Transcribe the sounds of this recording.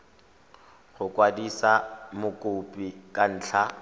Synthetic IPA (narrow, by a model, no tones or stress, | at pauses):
χʊkʼwadisamʊkʼʊpʼikʼan̩ːɬʰa